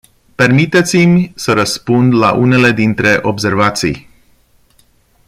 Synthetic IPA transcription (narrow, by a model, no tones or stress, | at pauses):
pe̞rmit̪e̞t̪simʲsəɾəspund̪la̰ʔune̞le̞d̪int̪ɾe̞ʔobse̞rvat̪sḭj